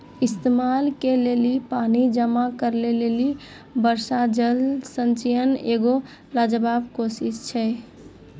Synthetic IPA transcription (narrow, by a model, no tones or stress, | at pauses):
ist̪emalkelelipanid͡ʒəmakəɾleleli | bəɾsad͡ʒəlsənt͡ʃəjəneɡo | lad͡ʒəbabkosist͡ʃʰɛ